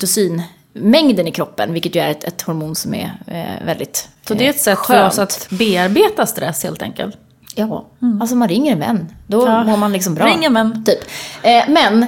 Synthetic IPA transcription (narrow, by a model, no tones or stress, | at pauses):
t̪ʊsyːn | mɛŋd̪ənɪkʰɾɔpːənvɪlkːət̪jɵæɾɛt̪ɛt̪hɔɾmuːnsɔmɛ̰vɛld̪ɪ̰t̪sɔd̪ɛɾɛt̪sɛt̪ɧːføœːɾɔnsat̪beːaɾbeːt̪ast̪ɾɛsːhḛːlt̪ʰɛ̰ŋkə̰lt̪ | jɑːals̬ɔmanɾɪŋːəɾɛnvɛ̰nːd̪ɔmoːɾmanlɪksɔmbɾɑɾɪŋːənvɛnːt̪ʰyːpːmɛn